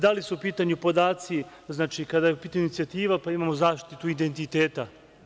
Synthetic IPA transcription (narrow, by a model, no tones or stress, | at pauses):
d̪alisuupiːt̪aɲupo̞d̪aːt̪si | znaːt͡ʃikad̪ajeupiːt̪aɲiunit̪sijat̪iːʋapaimaːmozaːʃtt̪it̪uid̪e̞nt̪it̪eːt̪a